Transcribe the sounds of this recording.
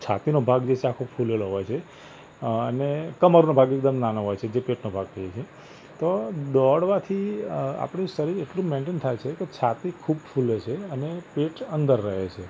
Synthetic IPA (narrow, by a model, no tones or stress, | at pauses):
t͡ʃʰa̰t̪inobʱaɡd͡ʒet͡ʃʰeakʰofʰuleloɦɔjt͡ʃʰe | ənekəməɾnobʱaɡek̚d̪əmnanoɦɔjt͡ʃʰed͡ʒepeʈnobʱaɡ̚t̪ʰəjet͡ʃʰe | t̪oɖɔɽʋat̪ʰia̰pɳ̃ĩsəɾieʈlũmẽɳʈent̪ʰajt͡ʃʰeket͡ʃʰat̪ikʰubfulet͡ʃʰeənepeʈənd̪əɾːəɦet͡ʃʰe